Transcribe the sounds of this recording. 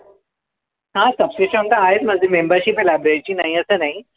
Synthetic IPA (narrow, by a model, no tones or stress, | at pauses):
ɦãsəpseɕond̪aaɦet̪m̤əɡd͡zʱemembəɾɕiːpelabɾeɾit͡ɕiːnaɦiəsəːnaɦi